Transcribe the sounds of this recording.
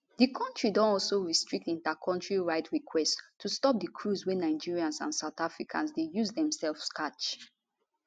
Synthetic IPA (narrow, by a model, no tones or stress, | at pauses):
dikʰɔ̃ntɹidɔ̃nɔlsoɹistɹik̚tĩntakʰɔ̃ntɹiɹaɪtɹikʰwɛsttʰːustɔp̚dəkʰɹuzwɛnaɪd͡ʒiɹiãnsã̰nsaʊtafɹikʰã̰nsdejuzdɛ̃msɛlfskat͡ʃ